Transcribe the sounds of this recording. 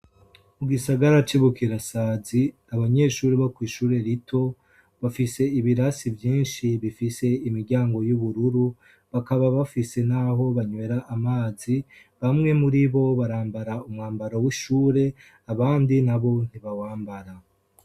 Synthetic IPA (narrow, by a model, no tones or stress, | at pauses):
muɡisaɡaɾat͡ʃiβukiɾasaːzi | aβaɲe̞ːʃuːɾiβokwiːʃuːɾe̞ɾitʰo̞ | βafise̞iβiɾasivjiːnʃiβifise̞imiɾɟaːŋɡo̞juβuɾuɾu | βakaβaβafise̞naɦo̞βaɲwe̞ɾaʔːmaːzi | βamŋe̞muɾiβo̞βaɾaːmbaɾaumŋaːmbaɾowiʃuːɾe̞ | aβaːndinaβo̞n̥iβawaːmbaɾa